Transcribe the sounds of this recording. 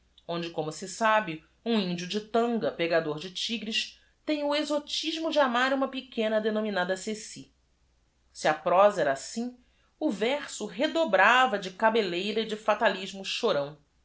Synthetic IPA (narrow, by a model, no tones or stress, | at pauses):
õd͡ʒɪkõmʊsɪsabɪ | ũĩnd͡ʒiʊd͡ʒɪt̪ɐ̃ŋɡɐpeɡad̪oɾd͡ʒɪt͡ʃiɡɾɪʃ | t̪ẽj̃ʊezot͡ʃiʒmʊd͡ʒɪamaɾũmɐpikẽnɐd̪enõminad̪ɐsesi | siɐpɾɔzɐɛɾasĩ | ʊvɛχsʊɦed̪obɾavɐd͡ʒɪkabelejɾɐɪd͡ʒɪfat̪aliʒmʊʃoɾɐ̃w̃